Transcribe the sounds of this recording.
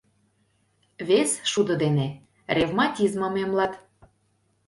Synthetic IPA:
βesʃud̪ɤ̆d̪ene | rʲevmɑtʲizmə̆memlɑt̪

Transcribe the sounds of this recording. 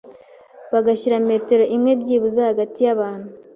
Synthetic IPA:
βaɡaçiɾame̞ːte̞ɾoʔimŋe̞bɟiːβuzahaɡatijaβaːn̥hu

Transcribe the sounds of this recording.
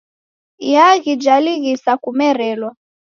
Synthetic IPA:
jaɣid͡ʒaliɣisakumɛɾɛlwa

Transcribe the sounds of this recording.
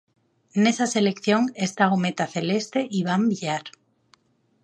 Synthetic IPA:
nesase̞le̞kθjoŋest̪aomet̪aθe̞le̞st̪e̞ʔiβambiʎaɾ

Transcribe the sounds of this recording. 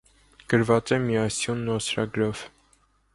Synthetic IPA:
ɡ̥əɾvɑt͡sɛmiɑsjunːɔsɾɑ̰ɡɾɔv̥

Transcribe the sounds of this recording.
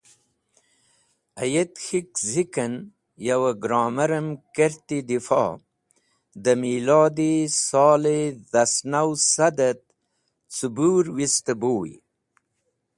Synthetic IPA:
ajet̪xikzikən | jawaɡɾɑːmaɾəmkeɾt̪id̪ifɑ̰ | d̪əmiːlɑːd̪isɑːled̪asnawsad̪ət̪̚ | t͡subuːɾwist̪əboːj

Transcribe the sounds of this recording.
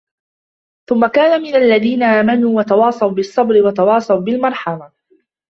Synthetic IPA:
θʊmːakaːnamɪnalːaðiːnaʔaːmanuːwɑt̪ɑwɑːsˤɑwbɪsˤːɑbɾɪwɑt̪ɑwɑːsˤɑwbɪlmɑɾˤħɑma

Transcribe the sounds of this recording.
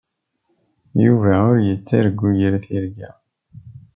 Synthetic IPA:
juvæʊɾjət͡sːiɾəɡːujəɾθiɾɡæ

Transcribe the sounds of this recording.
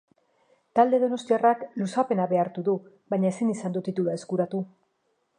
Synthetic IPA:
t̪ald̪e̞ðo̞no̞st̪iaraklusape̞naβe̞aɾt̪uðu | βaɲaesinisand̪ut̪it̪uluae̞skuɾat̪u

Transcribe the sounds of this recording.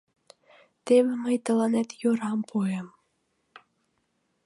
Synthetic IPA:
t̪eβɘ̆mɘ̆jt̪ɤ̆lˠɑnæt̪joɾɑmpʰuem

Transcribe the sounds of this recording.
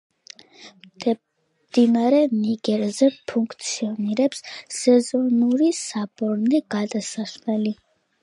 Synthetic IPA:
m | d̪inaɾɛniɡɛɾzɛpʰuŋkʰt̪sʰiɔniɾɛpssɛzɔnuɾisabɔɾnɛɡ̥ad̪asasmɛli

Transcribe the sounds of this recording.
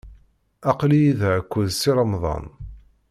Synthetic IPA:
ɑqlijiðʕəkʷːʊðsiɾˤɑmðˤɑ̰n

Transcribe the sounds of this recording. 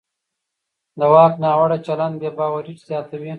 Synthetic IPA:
d̪əwɑːknɑːwaɽat͡ʃaland̪̚bebɑːwaɾiʈz̥jɑːt̪awi

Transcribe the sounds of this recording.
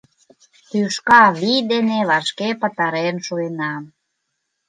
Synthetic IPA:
t̪yʃkɑβid̪eneβɑʃkepə̆t̪ɑɾenʃuenɑm

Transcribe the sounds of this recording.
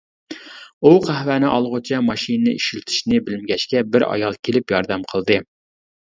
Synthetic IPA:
uqʰæhvænɪʔɑlˠʁʊt͡ʃʰɑmɑʃinɨnɨiʃilt̪ʰɪ̥ʃnɪbɪlɪmɡʲɛʃkʲɛbɪɾɑ̰jɑlˠkʲʰelɪpjɑɾd̪ɛmqʰəlˠd̪ɨ

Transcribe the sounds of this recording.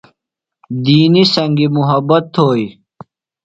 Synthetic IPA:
d̪iːnisɐŋɡimuɦɐbɐt̪ʰːoːi

